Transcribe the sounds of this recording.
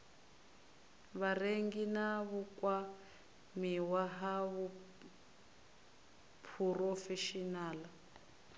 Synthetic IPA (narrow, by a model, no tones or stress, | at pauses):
βareŋɡinaβukwa | miwaɦaβu | pʰurɔfɛʃinaːla